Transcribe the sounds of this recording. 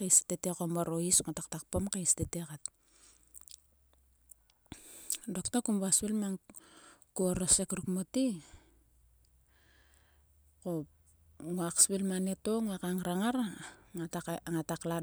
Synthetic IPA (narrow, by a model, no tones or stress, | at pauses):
keistetekomoɾoisŋotaktak̚pomkaistetekat | doktakumbaspilmaŋ | kuoɾosekɾukmoti | ko | ŋuakspilmanetoŋakaŋɾaŋaɾaaaŋatakla